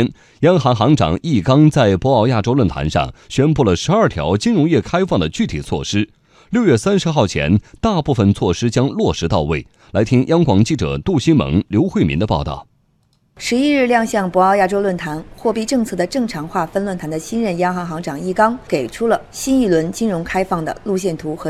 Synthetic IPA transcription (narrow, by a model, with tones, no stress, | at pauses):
n | jɑ˥ŋxɑ˧˥ŋxɑ˧˥ŋʈ͡ʂɑ̰˨˩ŋʔi˥˩kɑ˥ŋt͡sa˥˩ɪpwɔ˧˥ɑ˥˧ʊja̰˥˩ʈ͡ʂo˥ʊlwə˥˩nt̪ʰa̰˧˥nʂɑ̰˥˩ŋɕɥɛ˥npu˥˩lə˩ʂɻ̩˧˥ɐ˞˥˩t̪ʰjɑ̰˧˥ʊt͡ɕi˥nɻʊ˧˥ŋjɛ˥˩kʰa˥ɪfɑ˥˩ŋd̪ə˩t͡ɕy˥˩t̪ʰi˨˩t͡sʰwɔ̰˥˩ʂɻ̩˥ | ljo˥˧ʊɥɛ˥˩sa˥nʂɻ̩˧˥xɑ˥˩ʊt͡ɕʰjɛ̰˧˥nt̪a˥˧pu˥˩fə˩nt͡sʰwɔ˥˩ʂɻ̩˥t͡ɕjɑ˥ŋlwɔ˥˩ʂɻ̩˧˥t̪ɑ˥˧ʊwe˥˩ɪ | la˧˥ɪt̪ʰi˥ŋjɑ˥ŋkwɑ˨˩ŋt͡ɕi˥˩ʈ͡ʂɤ̰˨˩t̪u˥˩ɕi˥nmə̰˧˥ŋljo˧˥ʊxwe˥˩ɪmi˧˥nd̪ə˧pɑ˥˧ʊt̪ɑ̰˥˩ʊ | ʂɻ̩˧˥i˥ɻ̩˥˧ljɑ˥˧ŋɕjɑ˥˧ŋpwɔ˧˥ɑ˥˧ʊja˥˩ʈ͡ʂo˥ʊlwə˥˩nt̪ʰa˧˥nxwɔ˥˧pi˥˧ʈ͡ʂɤ˥˧ŋt͡sʰɤ˥˩d̪ə˩ʈ͡ʂɤ˥˩ŋʈ͡ʂʰɑ˧˥ŋxwa˥˩fə˥nlwə˥˩nt̪ʰa˧˥nd̪ə˧ɕi˥nɻə˥˩njɑ˥ŋxɑ˧˥ŋxɑ˧˥ŋʈ͡ʂɑ˨˩ŋi˥˩kɑ˥ŋke˨˩ɪʈ͡ʂʰu˥lə˨ɕi˥ni˥˩lwə˧˥nt͡ɕi˥nɻʊ˧˥ŋkʰa˥ɪfɑ˥˩ŋd̪ə̰˩lu˥˧ɕ̬jɛ˥˩nt̪ʰu˧˥xɤ˧˥